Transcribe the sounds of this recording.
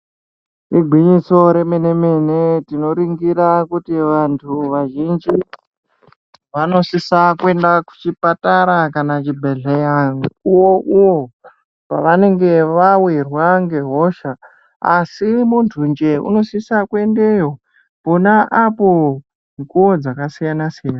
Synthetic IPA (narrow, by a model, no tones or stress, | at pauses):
riɡʱwiɲiso̞ɾe̞menemenetino̞ɾiŋɡiɾakutiʋantʰuʋaʒind͡ʒi | ʋano̞sisakwe̞ndaku̥t͡ʃipataɾakanat͡ʃibʱeɮejanuuwo̞ʔuwo̞ | pa̰ʋane̞ŋɡe̞ʋawirwaŋɡe̞ɦo̞ʃa | a̰simuntʰund͡ʒe̞ṵno̞sisakwe̞nde̞jo̞ | po̞naʔapo̞ | kuod͡zakasijanasijana